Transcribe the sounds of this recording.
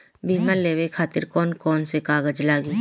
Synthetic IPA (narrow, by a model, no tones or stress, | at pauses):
bʱiːmaɾleːwekʰaːt̪ɪɾkɔːnkɔːnsekaːɡəd͡ʒlaːɡiː